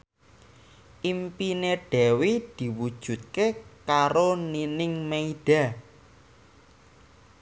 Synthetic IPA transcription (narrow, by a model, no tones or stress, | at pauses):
ʔimpineɖ̥ɛwid̪̥i̤wud̥ʒ̥ṳt̪̚kekaɾoninɪŋmeid̥a̤